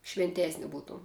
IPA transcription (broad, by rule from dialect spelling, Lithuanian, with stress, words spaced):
ʃʲʋʲɪnʲˈtʲeːsʲnʲɪ ˈbuːtuɔm